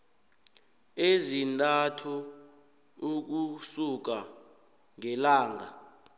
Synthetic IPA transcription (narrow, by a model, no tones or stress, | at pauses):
ezintʼatʰu | k̬usuk̬a | ŋɛlaːŋa